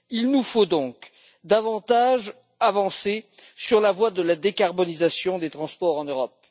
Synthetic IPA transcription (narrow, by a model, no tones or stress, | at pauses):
ilnufod̪ɔ̃k | d̪avɑ̃t̪aʒ | avɑ̃sesyʁlavwad̪əlad̪ekaʁbɔnizasjɔ̃d̪et̪χɑ̃spɔʁɑ̃nøʁɔp̚